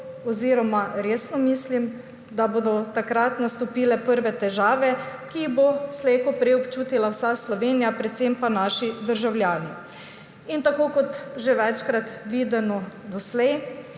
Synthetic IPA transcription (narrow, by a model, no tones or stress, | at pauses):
ɔziːɾɔmaɾeːsnɔmiːslim | d̪abod̪ɔt̪akɾat̪nast̪ɔpiːlɛpəɾʋɛt̪ɛʒaːʋɛkibosleːkɔpɾɛɔpt͡ʃuːt̪ilawsaslɔʋeːnijapɾɛt̪sempanaːʃid̪əɾʒawljaːni | int̪akoːkɔt̪ʒeʋɛt͡ʃkɾat̪ʋiːd̪ɛnɔd̪ɔslɛj